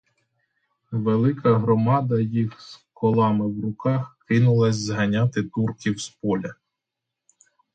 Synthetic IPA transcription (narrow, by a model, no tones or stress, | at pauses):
ʋelˠɪkʰɐɦɾɔmɑd̪ɐjixskʰɔlˠɑmɪwrʊkɑxkɪnʊlˠɐsʲzɦɐnʲɑt̪ɪt̪urkʲiwspɔlʲɐ